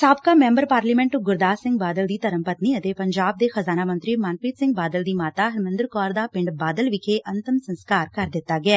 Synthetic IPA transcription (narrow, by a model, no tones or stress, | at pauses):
saːbkaːmɛ̃ːmbəɾpaːɾliːmɛ̃ɳʈɡʊɾd̪aːsɪ̃ŋɡ̚baːd̪əld̪iːt̪əɾəmpət̪niːət̪eːpəɲd͡ʒaːb̚d̪eːxəzaːnaːmə̃nt̪ɾiːmaːnpiːt̪sɪ̃ŋɡ̚baːd̪əld̪iːmaːt̪aːɦəɾmə̃nd̪əɾkɔːɾd̪aːpɪ̃ɳɖbaːd̪əlʋɪkʰeːʔənt̪əmsənskaːɾkəɾd̪ɪt̪ːaːɡɪaː